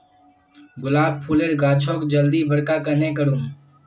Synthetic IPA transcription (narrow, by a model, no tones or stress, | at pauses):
ɡʊlaːb̚pʰuleːɾɡaːt͡ʃʰoːkd͡ʒəld̪iːbəɽkaːkənẽːk̬əɽuːm